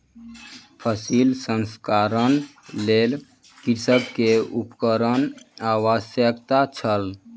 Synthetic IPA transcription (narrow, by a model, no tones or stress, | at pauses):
pʰəsilsənskaɾənlel | kisəbkeupkəɾənaʋasjəkt̪at͡ʃʰəl